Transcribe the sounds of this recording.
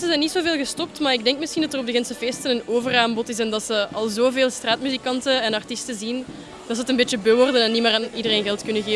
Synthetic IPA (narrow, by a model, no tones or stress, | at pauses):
səzɛjnːitsoːveːlˠɣəstɔp̚tmaːrɪɡ̚dɛŋkmɪsxindɑtərɔb̚dəɣɛnsəfeːstənənoːvəraːmbɔtɪs̬ɛndɑtsəɑlˠzoːveːlˠstraːtmyzikɑntəɛnɑrtɪstəzin | d̥ɑtsəətənbeːtəbøːʋɔrdənɛnːimaːraːnidəreːnɣɛlˠtkʏnəɣeː